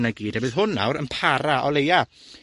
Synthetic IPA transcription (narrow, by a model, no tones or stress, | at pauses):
naɡiːd̥ɛbɨðɦʊnːa̰wɾə̰npʰaɾaʔɔleja